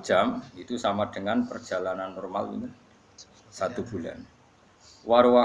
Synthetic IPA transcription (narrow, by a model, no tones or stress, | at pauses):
d̥ʒ̥amit̪usamad̥əŋanpərd̥ʒ̥a̤lananːɔrma̰lḭni | sat̪ub̥ṳla̰n | waɾwa